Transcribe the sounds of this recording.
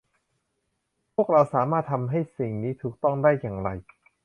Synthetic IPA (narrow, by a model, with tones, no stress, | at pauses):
pʰu˥˩k̚ɾa˧wsaː˩˦maː˥˩t̪ʰːa˧mɦa˥˩jsi˨˩ŋniː˦˥t̪ʰuː˨˩k̚t̪ɔ˥˩ŋdaː˥˩jːaː˨˩ŋɾa˧j